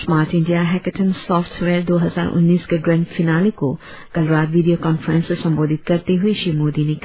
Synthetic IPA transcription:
smaːɾʈɪ̃ɳɖijaɦɛkəʈʰənsɔːfʈʰʋeːɾd̪oːɦɐza̰ːɾʔʊ̰nːiːskeɡɾɛ̃ːɳɖfɪnaːliko | kɐlɾaːt̪ʋiːɖijokɔːnfəɾə̃nsesɐ̃mboːd̪ʱɪt̪̚kɐɾt̪eɦʊeʃiːmoːd̪inek

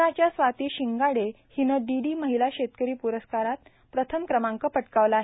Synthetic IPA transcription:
at͡ɕjasʋat̪iːɕiŋɡaɽe | hinəɖiɖiːməɦilaɕet̪kəɾiːpuɾəskaɾat̪ | pɾət̪ʰəmkɾəmãŋkəpəʈkaʋlaːɦe

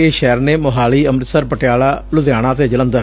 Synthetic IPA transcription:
eːʃɛːɾneːmʊɦaːliːəmɾət̪səɾpəʈɪjaːlaːlʊd̪jaːɽ̃ãːt̪eːd͡ʒələ̃nd̪əɾ

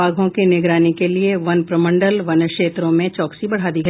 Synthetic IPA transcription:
aːɡʱõkenɪɡɾaːnikelieʋɐnpɾɐmə̃ɳɖəlʋɐnʃeːt̪ɾõmẽt͡ʃɔːksibɐɽ̤aːd̪iɡɐ

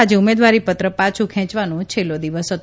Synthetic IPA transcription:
ad͡ʒeumed̪ʋaɾipət̪ɾəpat͡ʃʰũkʰɛ̃t͡ʃʋanũt͡ʃʰelːod̪iʋəsot̪

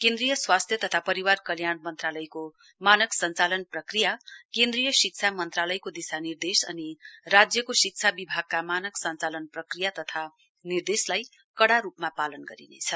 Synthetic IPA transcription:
kend̪rijʌswast̪ʰjʌt̪ʌt̪ʰapʌɾiwarkʌljanmʌnt̪ralʌjko | manʌksʌnt͡salʌnprʌkrijakẽnd̪rijʌsik̚t͡sʰamʌnt̪ralʌjkod̪isanird̪esʌ̰nirad͡zjʌkosik̚t͡sʰabibʱaɡ̚kamanʌksʌnt͡salʌnprʌkrijat̪ʌt̪ʰa | nird̪eslaj | kʌɽaɾupmapalʌnɡʌɾinḛt͡sʰʌ

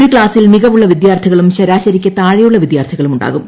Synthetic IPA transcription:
ɾikɭaːsilmiɣɐʋuɭːɐʋid̪jaːrt̪ʰɐɣɐɭumɕɐɾaːɕɐɾikʲːɐt̪aːɻijuɭːɐʋid̪jaːrt̪ʰɐɣɐɭumuɳɖa̰ːɣum

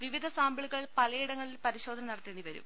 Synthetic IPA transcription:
ʋiʋid̪ʱɐsaːmbiɭuɣɐɭpɐlɐjiɽɐŋːɐɭilpɐɾiɕo̞ːd̪ʱɐnɐnɐɽɐt̪ːeːɳːiʋɐɾṵm

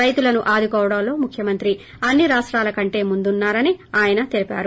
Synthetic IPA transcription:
ɾɐjt̪ulɐnuʔaːd̪ʱukɔːʋɐɽɐmlo̞ːmukʰjɐmɐnt̪ɾi | ɐnːiɾaːʂʈɾaːlɐkɐɳʈe̞ːmund̪unːaːɾɐniaːjɐnɐt̪elipa̰ːɾu

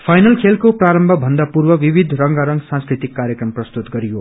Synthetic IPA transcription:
pʰajnʌlkʰelkopraɾʌmbʱʌbʱʌnd̪apurwʌwibid̪ʱrʌŋɡaɾʌŋɡsãnskrit̪ikːaɾjʌkrʌmprʌst̪ut̪ɡʌɾijo

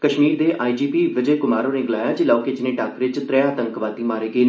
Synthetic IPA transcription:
kəʃmiːɾd̪eːʔaːid͡ʒiːpiːʋɪd͡ʒəːkʊmaːɾõːneːɡɪlaːjaːd͡ʒɪlaːokeːt͡ʃneːʈaːkɾɪt͡ʃt̪ɾɛãːt̪əŋkʋaːd̪iːmaːɾeːɡeː

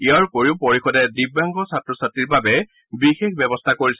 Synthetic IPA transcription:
iaɹkoɹiʊpoɹixɔdɛdibːaŋɡɔsatɹɔsatːɹiɹbabɛ | bixexbɛbɔstʰakoɹis

